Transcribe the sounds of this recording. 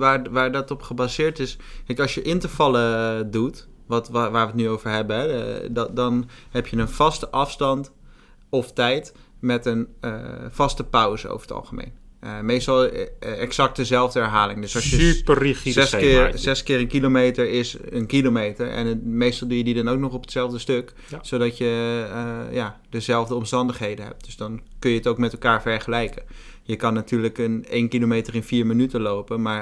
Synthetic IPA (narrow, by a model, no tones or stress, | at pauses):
ʋaːɹʋaːɹdɑtɔpχəbaːzɪːɹtɪskɛkɑlˠsjəʔɪntəɹvɑlˠədut | ʋɑtʋaːɹʋətnyowv̥əɹɦɛbənɦɛddɑnɦɛpjənənv̥ɑstəʔɑfstɑnt | ɔftɛjt | mɛtənəfɑstəpʌwzə̰o̰wvəɹə̥tɑ̰lˠχəmḛjnmejstɑlˠɛksɑk̚tdəzɛlˠvdəɛɹɦaːlɪŋdɵsɑsjəpəriiszɛskɪːrənkilomejtəɹɪsənkilomejtəɹɛ̰nmejstɑlˠdujədidɑnowk̚nɔχɔpətsɛlˠvdəstøk | sowdɑtjə | jaːdəzɛlˠvdəɔmstɑndəχɦejdənɦɛ̰p̚tdøsdɔnkønjəətowk̚mɛtɛlˠkaːɹfɛɹχəlɛjkə | jəkɑnːatʰyːɹləkənejnkilomejtərɪnfiːɹmənytəlowpənmaːɹ